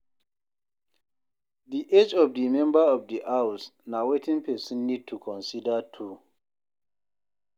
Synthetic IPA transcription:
diʔed͡ʒɔvdimɛ̃mbəɔvdiʔawsnawetĩŋpʰɛsĩnːid̚tʰukʰɔ̃nsidətʰu

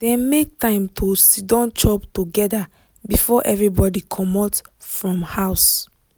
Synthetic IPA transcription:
dɛ̃mek̚tãɪ̃mtʰosidɔ̃nt͡ʃʰɔptuɡɛda | bifɔʔɛvɹibɔdikʰɔmɔt | fɹɔ̃mhaʊs

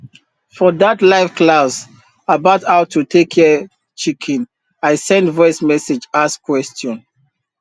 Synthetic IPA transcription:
fɔðatlaɪfklaʊs | abaʊthaʊtʰutʰekʰːɛ | t͡ʃikʰɛ̃n | aɪsɛ̃ndvɔɪsmɛsed͡ʒaskʰwɛstɔ̃n

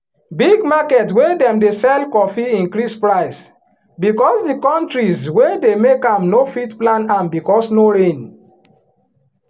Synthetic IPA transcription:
biɡ̚makɛtwedɛ̃mdesɛlkɔfiĩnkɾispɹaɪs | bikɔsdikɔ̃ntɹizwedemekãmnofitplãnãmbikɔsnoɹẽn

